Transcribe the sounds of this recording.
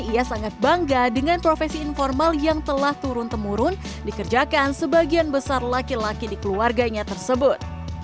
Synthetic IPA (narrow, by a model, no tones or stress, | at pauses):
iasaŋat̪̚baŋɡadəŋanpɾofɛsiːnformaljaŋt̪əlaht̪uɾʊnt̪əmuɾʊn | dikərd͡ʒakansəbaɡianbəsarlakilakidikəluarɡaɲat̪ərsəbʊt̪̚